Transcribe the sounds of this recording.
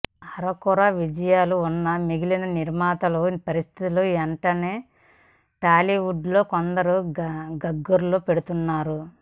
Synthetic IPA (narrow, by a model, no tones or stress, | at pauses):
ɐɾɐkuɾaʋid͡ʒɐjaːluunːɐmiɡilinɐniɾmaːt̪ɐlupɐɾist̪ʰit̪ilueɳʈɐne̞ː | ʈaːliʋuɖlo̞ːkond̪ɐɾuɡɐɡːuɾloːpe̞ɽut̪unːaːɾu